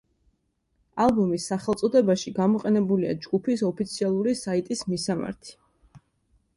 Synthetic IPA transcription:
alˠbɔmisːaχɛlˠt̪sʼɔd̪ɛbaʃiɡamɔqʼɛnɛbulia̰d͡ʒɡupʰisɔpʰit̪sʰialˠuɾisait̪ʼismisama̰ɾt̪ʰi̥

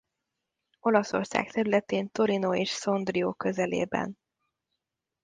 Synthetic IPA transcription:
o̞lɒso̞̰rsa̰ːkt̪ɛɾylɛt̪eːnt̪oɾinoeːʃso̞nd̪rioːkøzɛlḛːbɛ̰n

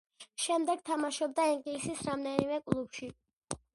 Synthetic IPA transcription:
ʃɛmd̪ɛɡ̥t̪ʰamaʃɔb̚d̪aiŋɡlisisɾamd̪ɛnimɛkʼlˠupʃi

